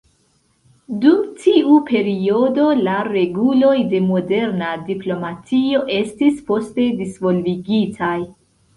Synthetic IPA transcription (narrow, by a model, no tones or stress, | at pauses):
dumtʰiupʰe̞ɾio̞do̞laɾe̞ɡulo̞jde̞mo̞de̞ɾnadiplo̞mat͡sio̞ʔe̞stispo̞ste̞disvo̞lviɡitʰaj